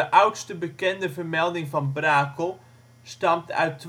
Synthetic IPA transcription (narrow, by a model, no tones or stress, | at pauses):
əʔawtstəbəkɛndəvərmɛlˠdɪŋvɑnbraːkəlˠ | stɑmtœ̰ɥtː